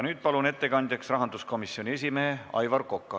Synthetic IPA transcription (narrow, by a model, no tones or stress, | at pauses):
nyːd̪̥̚pɑlune̞t̪ːe̞kɑnd̪jɑksrɑɦɑnd̪usko̞misːio̞nʲie̞s̬ʲimeɦeɑ̰jvɑrko̞kːɑ